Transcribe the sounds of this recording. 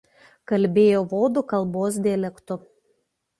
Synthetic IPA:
kɐlʲbʲeːjoːʋoːd̪ʊkɐlˠboːs̬d̪ʲɛːlʲɛkt̪ʊ

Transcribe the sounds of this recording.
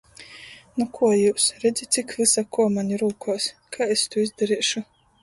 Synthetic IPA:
nukʰuɔjuːsɾɛd̪zʲit̪t̪sʲikvɨsakuɔmanʲiɾuːkʰuːskʰaest̪uizd̪aɾiɛʃu

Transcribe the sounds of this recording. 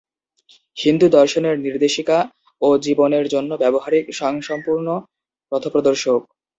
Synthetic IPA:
hind̪ud̪ɔɾʃoneɾniɾd̪eʃika | od͡ʑiboneɾd͡ʑonːobɛboɦaɾikʃɔŋʃɔmpuɾno | pɾɔt̪ʰopɾod̪oɾʃok̚

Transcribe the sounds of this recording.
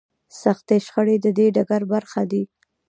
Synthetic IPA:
saxt̪eʃxəɽed̪əd̪eɖaɡaɾbaɾxad̪i

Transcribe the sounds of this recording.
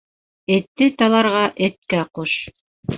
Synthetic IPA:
ɘ̆t̪ːɘt̪ɑlˠɑɾʁɑʔɘ̆t̪̚kæquʃ

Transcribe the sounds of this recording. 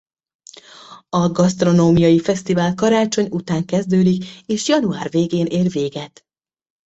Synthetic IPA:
ɒɡɒst̪ro̞noːmijɒjifɛst̪ivaːlkɒɾaːt͡ʃo̞ɲut̪aːŋkɛzd̪øːd̪ikeːʃjɒnua̰ːrveːɡeːnʔeːrveːɡɛt̪

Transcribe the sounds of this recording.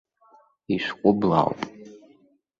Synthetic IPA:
iʃʷkʷʼʊbla̰wpʼ

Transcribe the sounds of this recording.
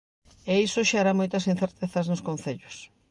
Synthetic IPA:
eisʊʃaaɾamojt̪ɐsin̟θeɾt̪eθɐznʊskõn̟θeʎʊs

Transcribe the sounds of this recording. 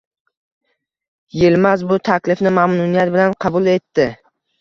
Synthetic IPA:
jelmazbʊt̪ʰakʲlɪfnɪmamnʊnijat̪̚bɪlanqʰɑbʊlˠe̞t̪ːɪ

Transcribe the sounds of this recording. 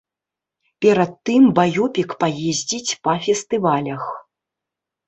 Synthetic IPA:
pʲɛɾɐt̪ːɨmbajɔpʲikpajezʲd͡zʲit͡sʲpɐfʲɛst̪ɨvalʲɐx

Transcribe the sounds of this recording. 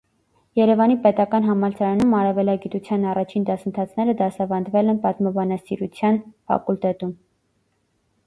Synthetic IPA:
jɛɾɛvɑnipɛt̪ɑkɑnɦɑmɑɾt͡sʰɑɾɑnumɑɾɑvɛlɑɡit̪ut͡sʰjɑnɑrɑt͡ʃʰind̪ɑsənt̪ʰɑt͡sʰn̪ɛɾəd̪ɑsɑvɑnd̪vɛlɛnpɑt̪mɑbɑnɑsiɾut͡sʰjɑnfɑ̰kult̪ɛt̪um

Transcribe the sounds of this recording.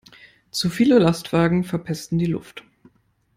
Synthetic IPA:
t͡sufiːləlastv̥aːɡŋ̩fɛɐpʰɛstn̩diːlʊ̰ft

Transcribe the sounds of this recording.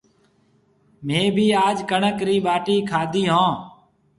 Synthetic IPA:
mẽːbʱiːaːd͡ʒkəɳəkɾiːɓaːʈiːkʰaːd̪ʱiːɦõː

